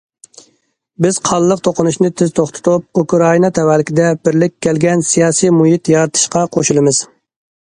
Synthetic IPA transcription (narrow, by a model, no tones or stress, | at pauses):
bɪz̥qʰɑlˠːəq̚t̪ʰoqʰʊnuʃnɪt̪ʰɪz̥t̪ʰoχt̪ʰʊ̥t̪ʰup̚ukɾɑinɑt̪ʰɛwɛlɪkʲid̪ɛbɪɾlɪkʲːɛlɡʲɛnsijɑːsijmuɦit̪jɑɾɨt̪ʰɨ̥ʃqɑqʰoʃulˠɨmɨz̥